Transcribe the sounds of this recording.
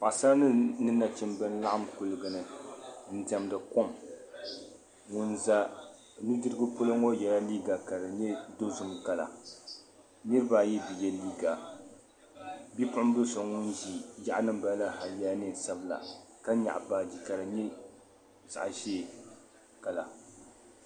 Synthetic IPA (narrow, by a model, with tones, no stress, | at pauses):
pa˨sa˦nɨ˦nɨ˦nːa˨t͡ʃɪ˦mbɨ˦n˦la˦ʔa˦mkʊ˦lɨ˨ɡɨ˨nɨ˨n̩˨tɛ˨mdɨ˨ko˦m | ŋʊ˦nza˦˨ | nu˦dɨ˦ɾɨ˦ɡɨ˦po˦lo˦ŋo˦jɛ˨la˦liː˦ɡa˨ka˨ɾɨ˨ɲɛ˦do˦zʊ˦mka˨la̰˨ | nɨ˦ɾɨ˦ba˨jɛ˦bi˨jɛ˦liː˦ɡa˨ | bi˦pʊ˦ʔm˦bʊ˦so˨ŋʊ˦nd͡ʒi˨ja˦ʔa˦nɨ˦mba˦la˦ha˨jaː˦nɨ˦˨sa˦bɨ˦la̰˨ | ka˦ɲa̰˨ʔbaː˨di˨ka˨ɾɨ˨ɲɛ˦ | za̰˨ʔʒeː˦ | ka˨la˨